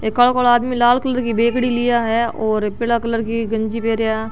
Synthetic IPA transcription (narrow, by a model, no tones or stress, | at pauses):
ekəɭkoɭaːd̪milaːlkələɾkibeːkɽilɪjaɦɛɔːɾpɪlakələɾkiɡɐ̃ɲd͡ʒipeːɾeja